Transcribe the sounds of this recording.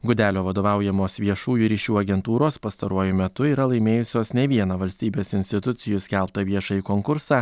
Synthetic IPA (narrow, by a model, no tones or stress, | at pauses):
ɡʊd̪ʲæːlʲoːʋɐd̪oːʋɑˑʊjɛmoːsʋʲiɛʃuːjuːɾʲiːʃʲuːɐɡʲɛnt̪uːɾoːspɐst̪ɐɾuɔjʊmʲɛt̪ʊiːɾɐlˠɐɪmʲeːjʊsʲoːsnʲɛʋʲiɛnɐʋɐlʲsʲt̪ʲiːbʲeːsɪnʲst̪ʲɪt̪ʊt̪sʲɪjʊsʲkʲɛlˠp̚t̪ɐʋʲiɛʃɐikoːŋkʊɾsɑː